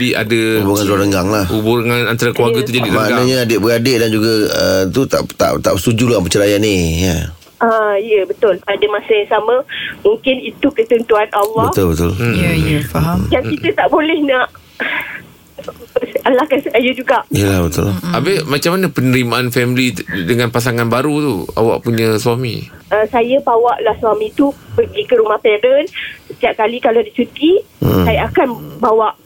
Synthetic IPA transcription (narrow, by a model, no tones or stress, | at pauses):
bia̰daubuŋanuaɾəŋɡaŋlahubuɾŋanant̪aɾakluaɡat̪̬ud͡ʒadimãʔɡanaɲaadɪʔbəadɪʔ̚dand͡ʒuɡaət̪ut̪a̰ʔt̪a̰ʔt̪aʔbəst̪ud͡ʒulapət͡ʃəɾajanija | aijəbət̪ʊlpadamasəjaŋsamə̃muŋkɪnit̪ukət̪ənt̪uanʔalːɔbət̪ʊlbət̪ʊljəfaɦamjaŋkit̪ət̪aʔbolɛhnaʔ | alahkansəajud͡ʒuɡaʔijəlabət̪ʊ̰labɪmat͡ʃamːanapənəɾimaʔanfɛmilidəŋãnpas̬aŋanbaɾut̪ua̰wa̰ʔpuɲə̃suamḭ̃ʔəsajabawaʔlahswamĩt̪upəɡikəɾumahpɛdənsət̪iap̚kalikaladisut̪i | ajaakanbawaʔ